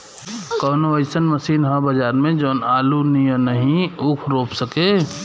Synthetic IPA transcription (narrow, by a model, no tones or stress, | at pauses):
kɔːnoʋəɪsənmɐsiːnɦə̃bəd͡ʒaːɾmẽd͡ʒoːnaːlunijə̃nɐɦĩukʰɾoːpsəkeː